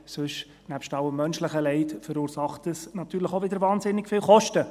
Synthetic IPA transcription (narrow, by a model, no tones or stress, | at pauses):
sʏʃ | næpʃtɑwəmːœnʃləχəlɛɪtfəɾuːɾsɑχtəsnɑt̪yːɾləχoʋɪdəɾvɑːnzɪnːɪɡ̥fɪːlχɔʃtə